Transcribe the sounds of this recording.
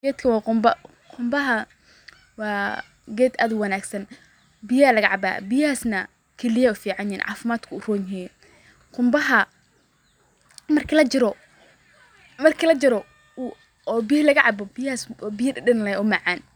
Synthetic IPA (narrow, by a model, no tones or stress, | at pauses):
ɡɛːd̪kʰɐwɑːqʊmbɐ | qʰʊmbɐɦɐ | wɑː | ɡɛːd̪ʔaːd̪ʊwɑnaːɡsɐn | bɪjɐɐlɐɣɐʕɑba̰ːbɪjɐhaːsnɐ | kʰɛlɪjɐʊfiːʕɑnjɛnʕɑ̰ːfɪmaːd̪kʰʊʊrɔːnɪɛ | qʊmbɐɦɐ | mɐrkʰɪlɐt͡ʃɪɾɔ | mɐrkʰilɐt͡ʃɪɾɔ | u | ɔːbɪjɐlɐɣɐʕɑbɔbɪjaːsbɪjɐɗɪnlɐɛʊmɑʕɑːn